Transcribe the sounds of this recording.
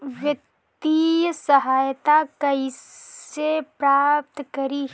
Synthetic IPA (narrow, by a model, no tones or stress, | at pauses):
ʋjək | t̪ijəsɐɦaːjt̪akɐi | epɾaːp̚t̪kɐɾi